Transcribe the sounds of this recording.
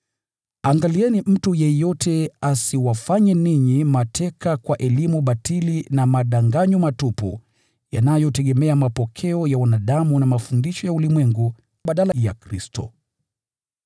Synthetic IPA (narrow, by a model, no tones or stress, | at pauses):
aŋɡaliɛnim̩tujɛjɔtʰɛasiwafaɲɛniɲimatʰɛkakwaʔɛlimuɓatilinamaɗaŋɡaɲumatupṵ | janajɔtɛɠɛmɛamapɔkʰɛɔjawanaɗamunamafundiʃɔjaulimwɛŋɡu | ɓaɗalaja̰kɾistɔ̰